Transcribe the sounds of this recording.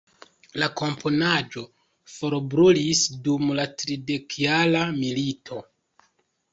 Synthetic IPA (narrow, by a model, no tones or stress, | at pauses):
lako̞mpʰo̞nad͡ʒo̞ | fo̞ɾbɾulisdumlatɾide̞kijalamilitʰo̞